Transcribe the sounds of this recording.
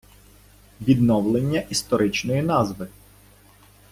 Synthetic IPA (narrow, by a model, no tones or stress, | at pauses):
ʋʲid̪nɔwlˠenʲːɐʔist̪ɔɾɪt͡ʃnɔjinɑzʋɪ